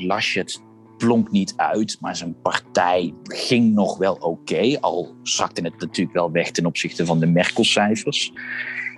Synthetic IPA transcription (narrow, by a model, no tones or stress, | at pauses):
lɑʃət | plɔŋknitʰœ̰ɥtmaːɹzənpɑɹtɛjχɪŋnɔχʋɛlˠowkejɑ̰lˠsɑ̰k̚tənət̚natyːləkʋɛlˠʋɛχtɛnɔpsɪχtəvɑndəmɛɹkəl̩ˠsɛjfəɹs